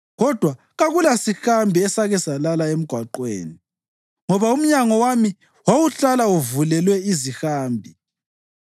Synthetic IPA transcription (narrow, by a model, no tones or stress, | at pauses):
ɣɔd̥ʱwa | ɣaɣulasixambʱiɛsaɣɛsalalaem̩ɡ̥ʱwaǃwḛːni | ŋɔβaum̩ɲaŋɔwami | wawuɬalauvulɛlwɛizixaːmbʱi